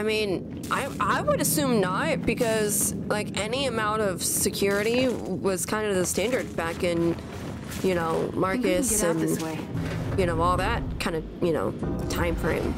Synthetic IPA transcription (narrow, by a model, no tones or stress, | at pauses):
aɪmĩn | ʔa̰ɪʔaɪwəɾɨsʉ̃mnət̚b̥ɨkʰʌz̥laɪkɛniɨmãʊ̃ntʌv̥sɨkʰj̥ʊɹɨɾiwʌz̥kʰãɪ̃ndɨðɨstæ̃ndə˞d̚bækɪ̃n | jɨnoʊmɑɹkɨsɨ̃n | jɨnoʊɔlˠðæt̚kʰãɪ̃ndɨ | jɨno̰ʊtʰãɪ̃ɱfɹḛ̃ɪ̃m